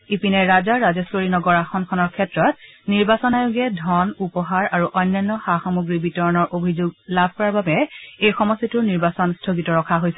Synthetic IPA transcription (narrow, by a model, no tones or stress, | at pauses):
ipinɛɹazaɹazɛsloɹinɔɡɔɹaxɔnkʰɔnɔɹkʰɛtɹɔt̚niɹbasɔnajuɡɛdʱɔnupɔɦaɹaɹuʔɔjnːajnːɔxaxɔmuɡɹibitɔɹɔnɔɹʔobʱizuɡlabʱkɔɹaɹbabɛejxɔmɔstituɹniɹbasɔnstʰoɡitɔɹɔkʰaɦojsɛ